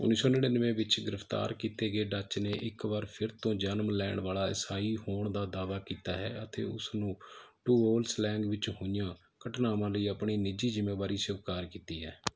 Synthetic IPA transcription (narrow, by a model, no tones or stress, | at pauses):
ʊ̰nːiːsõːnəɽenəʋẽːʋɪt͡ʃɡɪɾəpʰt̪a̰ːɾkiːt̪eːɡeːɖat͡ʃneːʔɪkʋəɾpʰɪɾt̪õːd͡ʒənmlɛːɳʋaːlaːɪ̰saːiːhoːɳd̪aːd̪aːʋaːkiːt̪aːɦɛːət̪ʰḛːʊ̰snũːʈuːoːlslɛːŋɡʋɪt͡ʃɦʊjãː | kəʈnaːʋãːləiːəpɳiːnɪd͡ʒiːzɪmːeːbaːɾiːsəʋkaːɾkiːt̪iːɦɛː